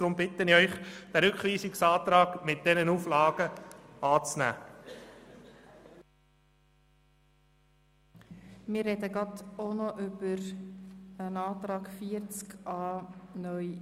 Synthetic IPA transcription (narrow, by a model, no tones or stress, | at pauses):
ɾʊmbɪtənɪœʏχd̪̥æɾʏkχʋiːsiksɑːt̪ɾɑːɡ̥mɪt̚d̥ɛnənuːflɑːɡəɑːt͡snæ̰ː | mɪːrːɛdəɡɾɑd̪onɔʔʏb̥əɾ | ənɑːt̪ɾɑːɡfiəɾt͡skɑːnœʏ